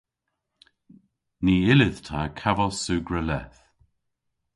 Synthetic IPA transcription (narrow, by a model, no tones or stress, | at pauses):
niːɪlɪð̥t̪ʰaːkʰavəsuːɡɹəlɛ̰θ